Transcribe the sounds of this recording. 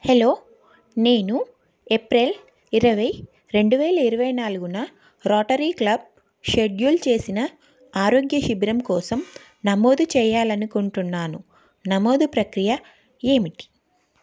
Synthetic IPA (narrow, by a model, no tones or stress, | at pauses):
helo̞ː | ne̞ːnu | epɾel | iɾɐʋɐj | ɾe̞ɳɖuʋɛːlɐiɾɐʋɐjnaːluɡunɐ | ɾɔːʈɐɾiːklɐb̚ | ʃeɖjuːlt͡ʃe̞ːsinɐ | aːɾo̞ːɡjɐʃibiɾɐmkɔːsɐm | nɐmoːd̪ut͡ʃɛːjaːlɐnukuɳʈunːaːnu | nɐmoːd̪upɾɐkɾijɐ | e̞ːmiʈi̥